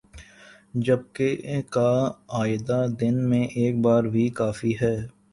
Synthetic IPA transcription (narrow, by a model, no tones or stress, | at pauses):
d͡ʒəb̚kekaaːɪd̪ad̪ɪnmẽʔeːk̚baːɾbʱikaːfiɦɛː